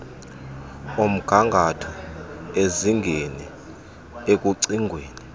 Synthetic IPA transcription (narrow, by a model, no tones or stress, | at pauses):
om̩ɡ̥ʱaŋɡʱatʰɔeziŋɡʱeni | ek̬ʼuǀiŋɡʱweːni